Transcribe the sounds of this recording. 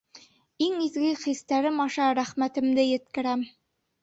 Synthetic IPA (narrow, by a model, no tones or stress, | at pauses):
iŋizɡɘχist̪æɾɘmɒʃɑɾæχmæt̪ɘ̆md̪ɘjɘ̆t̪̚kɘ̆ɾæm